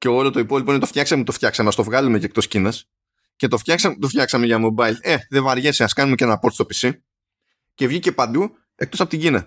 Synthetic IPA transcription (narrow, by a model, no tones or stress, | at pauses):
ce̞o̞lo̞t̪o̞ipo̞lipo̞inetoft̪jçɐksɐmut̪o̞ft̪çɐksɐmeɐst̪o̞vɣɐlume̞cekt̪o̞scinɐs | ce̞t̪o̞ft̪çɐksɐmt̪o̞ft̪çɐksɐmeʝɐmo̞bɐile̞ðevɐɾʝe̞seɐskɐnumecenɐpo̞ɾt̪stopi̥si | ce̞vʝice̞pɐnd̪u | e̞kt̪o̞sɐpot̪iɟinɐ